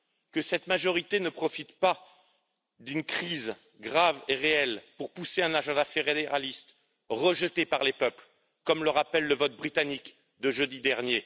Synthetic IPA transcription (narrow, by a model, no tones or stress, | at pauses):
kəsɛt̪maʒɔʁit̪enəpχɔfit̪pa | d̪ynkχiz | ɡʁaveʁeɛlpuʁpuseɛ̃naʒɑ̃d̪afeʁed̪eʁalist̪ | ʁəʒət̪epaʁlepœpl | kɔmləʁapɛlːəvɔt̪̚bʁit̪anik | d̪əʒəd̪id̪ɛʁnje